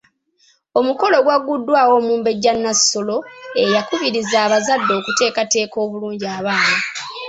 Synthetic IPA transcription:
o̞muko̞lo̞ɡwaɡudːwaːwo̞ːmuːmbe̞ɟːanːaso̞lo̞e̞jakuβiɾizaːβazadːo̞ːkute̞ːkate̞ːko̞ːβuluːɲɟiaːβaːna

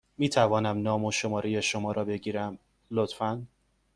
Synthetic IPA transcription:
miːt̪ʰævɒːnæmnɒːmoʃo̞mɒːɾejeʃomɒːɾɒːbe̞ɡɟiːɾæm | lot̪fæn

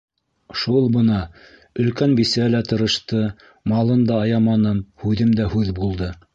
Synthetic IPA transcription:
ʃulˠbɤ̆nɑ | ɵ̆lkænbisælæt̪ɤ̆ɾɤ̆ʃt̪ɤ | mɑlˠɤnd̪ɑːjɑmɑnɤmhʉðɘmd̪æhʉðbulˠd̪ɤ

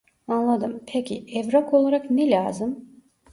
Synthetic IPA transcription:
anlˠad̪ɯmpʰecʰiɛvɾakʰo̞lˠaɾaknɛlʲaːzɯm

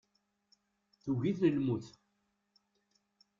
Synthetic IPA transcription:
θuʝiθnəlmuθ

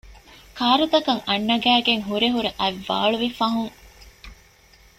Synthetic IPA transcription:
kʰaːɾut̪ɐkɐŋɐnːɐɡæːɡeŋɦuɾeɦuɾeʔɐʋːa̰ːɭuʋifɐɦuŋ

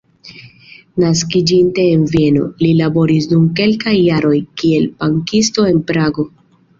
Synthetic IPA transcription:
naskid͡ʒinte̞ːnvie̞no̰lilabo̞ɾisdumke̞lkajːaɾo̞jkie̞lpaŋkisto̞e̞npɾaɡo̞

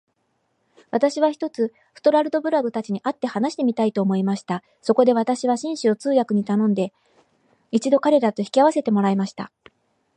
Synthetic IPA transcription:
βat̪aɕiβ̞açʲi̥t̪o̞t͡sɨ | ɸɯ̟̥t̪o̞ɾaɾɯ̟d̪o̞bɯ̟ɾaɡɯ̟t̪at͡ɕiɲ̟iʔat̪ːe̞hanaɕi̥t̪e̞mʲit̪ait̪o̞ːmo̞imaɕi̥t̪a | so̞ko̞d̪e̞β̞at̪aɕiβaɕĩɰ̃ɕio̞t͡sɨːjakɯ̟ɲ̟it̪anõ̞nd̪e̞ | it͡ɕid̪o̞kaɾe̞ɾat̪o̞çi̥kʲiaβ̞ase̞t̪e̞mo̞ɾaimaɕi̥t̪a̰

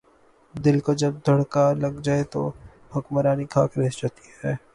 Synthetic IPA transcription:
d̪ɪlkod͡ʒɐb̚d̪ʱɐɽkalɐɡd͡ʒaːet̪o̰ | hʊkməɾaːnikʰaːkɾeːsd͡ʒat̪i̥ɦhɛː

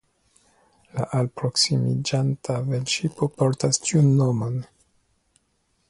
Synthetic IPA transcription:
laʔalpɾo̞ksimid͡ʒantʰavenʃipopoɾtastiunːo̞mo̞n

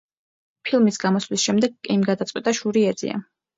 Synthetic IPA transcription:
pʰilˠmisɡamɔslisʃɛmd̪ɛɡkʼɛimɡad̪at̪sʼqʼwit̪ʼaʃuɾiɛzḭa̰

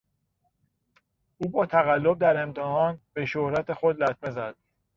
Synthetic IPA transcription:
ʔuːbɒːt̪ʰæɣælːo̞b̚d̪æɾe̞mt̪ʰehɒːnbe̞ʃohɾæt̪ʰe̞xod̪læt̪̚ʰme̞zæd̪̥

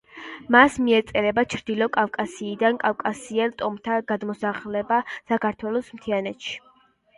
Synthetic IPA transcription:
masmiɛt̪sʼɛlɛbat͡ʃʰɾd̪ilɔkʼafkʼasiːd̪ankʼafkʼasiɛlt̪ʼɔmt̪ʰaɡad̪mɔsaχlɛbasakʰaɾt̪ʰwɛlˠɔsmt̪ʰianɛt̪ʃi̥

